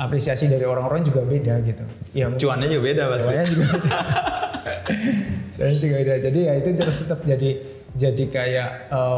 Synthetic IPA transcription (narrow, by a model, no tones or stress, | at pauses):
ʔapɾesiasidaɾioɾaŋoɾaŋd͡ʒuɡabedaɡit̪ujat͡ʃuanɲad͡ʒuɡabedapauanɲad͡ʒuɡabeda | t͡ʃua̰nɲad͡ʒuɡabedad͡ʒadijait̪ut͡ʃəɾʊst̪ət̪əp̚d͡ʒadi | d͡ʒadikajaʔə